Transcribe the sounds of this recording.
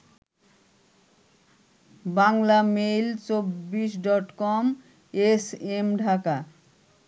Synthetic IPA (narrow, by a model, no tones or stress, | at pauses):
baŋlamejlt͡ɕobːiʃɖɔʈkɔm | esemɖʱaka